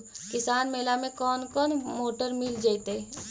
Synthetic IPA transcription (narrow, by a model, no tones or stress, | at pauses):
kɪsaːnmeːlamẽkɔːnkɔːnmoːʈəɾmɪld͡ʒaːit̪eː